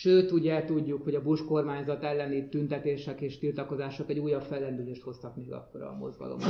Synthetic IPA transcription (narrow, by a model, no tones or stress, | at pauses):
ʃøːt̪uɟɛt̪uɟːukho̞ɟɒbuʃko̞rmaːɲzɒt̪ɛlːɛnit̪ynt̪ɛt̪eːʃɛkeːʃt̪ilt̪ɒko̞zaːʃo̞kɛɟuːjɒpfɛlːɛnd̪yleːʃt̪ho̞st̪ɒkmeːɡɒ̰kːo̞ɾɒ̰ːmo̞̰zɡɒ̰lo̞̰m